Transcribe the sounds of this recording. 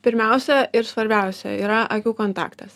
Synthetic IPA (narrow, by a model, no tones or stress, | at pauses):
pʲɪɾʲmʲɛʊsʲɛʔɪɾsʋɐɾʲbʲæˑʊsʲɛ̰iːɾɐʔɐkʲuːkoːnt̪ɑ̰ːkt̪ɐs